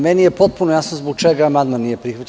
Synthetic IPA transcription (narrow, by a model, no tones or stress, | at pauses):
mɛniɛpɔt̪̚pʊɾnojasmzbot͡ʃɛɡamad̪məniɛpɾixvət̪ʲ